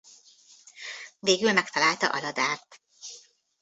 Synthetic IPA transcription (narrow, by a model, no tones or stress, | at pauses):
veːɡylmɛkt̪ɒlaːlt̪ɒʔɒ̰lɒd̪aːrt̪